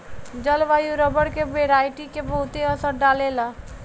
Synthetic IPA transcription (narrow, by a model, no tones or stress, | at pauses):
d͡ʒəlʋaːjuɾəbəɽkeʋeːɾaːɪʈikebəɦʊt̪eɐsəɾɖaːlelaː